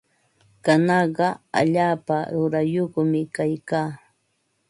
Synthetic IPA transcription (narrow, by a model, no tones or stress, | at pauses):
kanɑɢɑa̰ʎaːpaɾʊɾajoχmɪkajkaː